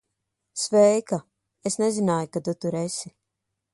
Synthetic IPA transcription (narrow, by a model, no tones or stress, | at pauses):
svɛjka | esnɛzinaːjukad̪ut̪uɾesi